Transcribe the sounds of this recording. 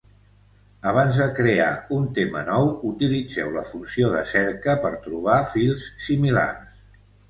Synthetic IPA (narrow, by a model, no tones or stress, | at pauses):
əβ̞anzðəkɾea̰unt̪emə̰nɔwut̪ilid͡zɛ̰wləfunsioðəsɛɾkəpəɾt̪ɾuβ̞afilˠssimila̰rs